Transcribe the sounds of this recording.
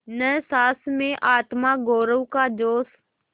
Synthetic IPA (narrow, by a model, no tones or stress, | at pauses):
nəsaːsmẽʔaːt̪maɡoːɾəʋkad͡ʒoːs